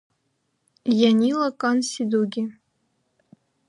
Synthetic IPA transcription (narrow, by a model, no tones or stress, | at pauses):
janʲilɐkʼansid̪uɡʲi